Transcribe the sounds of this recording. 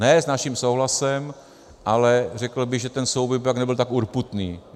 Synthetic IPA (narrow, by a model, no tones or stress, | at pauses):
nɛznaʃimsowɦlasɛm | ʔalɛrɛkl̩bɪɣʒɛt̪ɛnsowbojbpaknɛbɪlt̪akuɾput̪niː